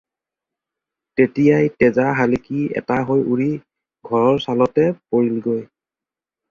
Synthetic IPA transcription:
tetijajtɛzaɦalikiɛ̰taɦojuɹi | ɡʱɔɹɔɹsalɔtɛpoɹilɡoj

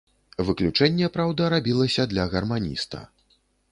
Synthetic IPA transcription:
vɨklʲut͡ʂɛnʲːɛpɾawd̪ɐɾabʲilˠɐsʲɐd̪lʲɐɣɐrmanʲḭst̪ɐ̰

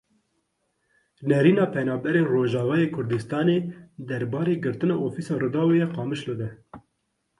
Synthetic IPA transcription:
nɛɾiːnɑːpʰɛnɑːbɛɾenroːʒɑːvɑːjeːkʰʊɾd̪ɨst̪ɑːneːd̪ɛɾbɑːɾeːɡɨɾt̪ɨnɑːʔofiːsɑːrɨd̪ɑːwejɛqɑːmɨʃlɨd̪ɛ

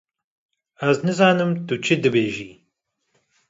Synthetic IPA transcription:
æznɨzɑːnɨmt̪ut͡ʃʰɨd̪ɨbeːʒiː

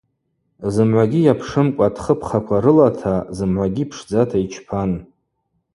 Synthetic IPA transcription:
zɨmʕʷaɡʲijapʰʂɨmkʷʼatʰχəpʰχakʷʰaɾɨlatʰazɨmʕʷaɡʲipʰʂd͡zatʰait͡ʃʰpʰan

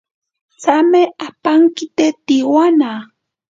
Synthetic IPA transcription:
t͡sameapaŋkɪt̪et̪iwana

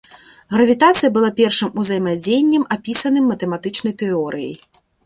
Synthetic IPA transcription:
ɣɾɐvʲit̪at̪sɨjɐbɨlˠapʲɛrʂɨmuzɐjmad͡zʲejnʲːɛmapʲisɐnɨmːɐt̪ɛmat̪ɨt͡ʂnɐjt̪ɛɔɾɨjɐ̰j

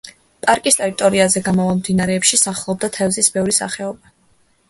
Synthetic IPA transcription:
pʼaɾkʼist̪ʼɛɾit̪ʼɔɾiazɛɡamɔvamd̪inaɾɛːpʃisaχlˠɔb̚d̪at̪ʰɛvzisbɛvɾisa̰χɛɔba

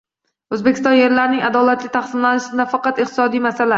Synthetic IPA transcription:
ɵzbekʲʰɪst̪ɒnje̞ɾlaɾnɪŋad̪ɒlat̪lɪt̪ʰaχsɪmlanɪʃɪd̪afɑqɑt̪ɪqt̪ʰɪ̥sɒd̪ijmasala

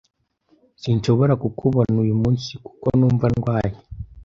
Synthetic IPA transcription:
sinʃo̞βo̞ɾakukʰuβonujumuːnsiku̥konuːɱvanɡwaːje

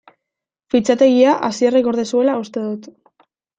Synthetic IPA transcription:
fit͡sat̪e̞ɣ̞iaʔasierekoɾðesue̞laust̪e̞ðut̪

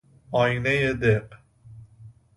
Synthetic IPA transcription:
ɒːjinejed̪eq

